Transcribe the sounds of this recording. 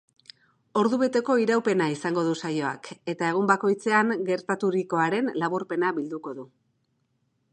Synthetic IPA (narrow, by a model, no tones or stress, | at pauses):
o̞ɾðuβe̞t̪e̞ko̞iɾawpe̞naisaŋɡo̞ðusajo̞a̰ke̞t̪ae̞ɣ̞umbako̞jt͡se̞aŋɡe̞ɾt̪at̪uɾiko̞aɾe̞nlaβuɾpe̞naβild̪uko̞ðu